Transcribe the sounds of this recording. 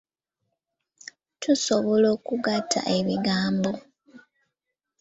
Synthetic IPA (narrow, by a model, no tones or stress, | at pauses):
tʰusoβolo̞ːkuɡatʰːa̰ʔe̞βiɡaːmbo̞